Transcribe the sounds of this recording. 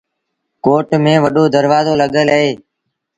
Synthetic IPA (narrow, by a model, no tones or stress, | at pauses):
koːʈmẽːʋəɗoːd̪əɾʋaːzoːləɠəlɦeː